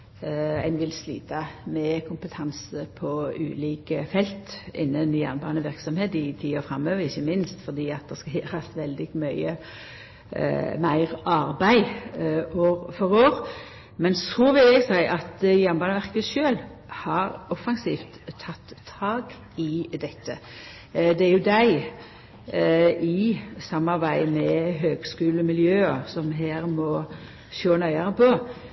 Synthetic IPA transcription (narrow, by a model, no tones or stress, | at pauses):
æ̰ɪnʋɪlslḭːt̪ɑmɛkʰʊmpət̪ʰɑnsəpʰɔʉ̰ːliːkəfɛlt̪ʔɪ̰nːənjæʁnbɑːnəʋɪʁksɔmheːt̪ɪt̪ʰiːɔfʁɑmːøːʋəɪçːəmɪnst̪fɔd̪iːɑt̪̚d̪ɛskɑheɾɑst̪ʋɛld̪ɪɡmœʏə̰ | mæɪʁɑʁbæɪ | oːʁfɔɾoːɾ | mɛnt̪ʰɾuːʋɪlɛɡsæɪʔɑt̪jɛnbɑnəʋæʁkət̪ʃøːlhɑɾɔfɑŋsḭːft̪ʰːɑt̪ːʰɑːɡ | ɪd̪ɛt̪ːə | d̪ɛæɾjʊd̪æɪ | ʔɪsɑmːɑʁbæɪmɛɦøːɡskʉːlmɪljøːɑsɔmɦeːɾmɔ | ʃoːnœʏɑɾəpʰɔ